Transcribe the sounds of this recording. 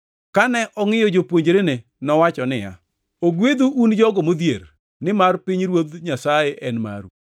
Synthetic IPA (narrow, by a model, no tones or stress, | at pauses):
kanɛʔɔŋɪjɔd͡ʒopwoɲd͡ʒɾene | nɔwat͡ʃɔnɪja̰ | oɡwed̪uʔːnd͡ʒɔɡɔmod̪jeɾ | nɪmarpɪɲɾwod̪ɲasajɛʔɛnma̰ɾṵ